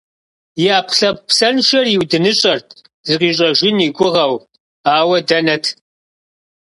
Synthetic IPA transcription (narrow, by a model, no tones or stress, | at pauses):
jɪaːpʰɬɐp̚psɐnʃɐrjiwdɨnɨɕʼɐrtʰ | zɨqiːɕ̬ʼɐʒɪniːɡʷʊʁɐw | aːwɐdɐnɐtʰ